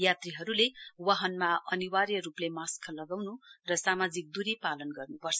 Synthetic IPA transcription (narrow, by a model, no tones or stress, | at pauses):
jat̪riɦʌɾulewaɦʌnmaʌniwarjʌruplemaskʰʌlʌɡawnurʌsamad͡zik̚d̪uɾipalʌnɡʌrnupʌrt͡sʰʌ